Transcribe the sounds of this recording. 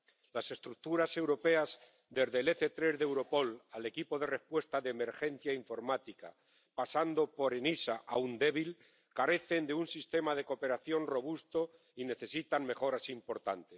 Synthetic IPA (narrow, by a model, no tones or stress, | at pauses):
lase̞st̪ɾuk̚t̪uɾase̞wɾo̞pe̞az | d̪e̞zðele̞θe̞t̪ɾe̞zðe̞wɾo̞po̞lale̞kipo̞ð̞e̞re̞hpwest̪aðeːme̞ɾxe̞n̟θjaiɱfo̞ɾmat̪ika̰ | pasand̪o̞po̞ɾe̞nisaʔa̰und̪e̞β̞il | kaɾe̞θe̞nd̪eunsist̪e̞mað̞e̞ko̞pe̞ɾaθjo̞nro̞β̞ust̪o̞ | ine̞θe̞sit̪aŋme̞xo̞ɾasimpo̞ɾt̪ant̪es